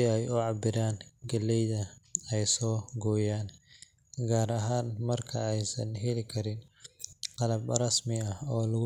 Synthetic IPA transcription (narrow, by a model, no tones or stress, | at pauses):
ɪɛjʊʕɑbɪɾaːnɡɐlːɛjðɐɛjsɔːɡɔːjaːn | ɡaːɾɐɦaːnmɐrkʰɐɛjsɐnɦɛlɪkʰɐɾɪn | qɑlɐbrɐsmɪɐhɔːlɐɣʊ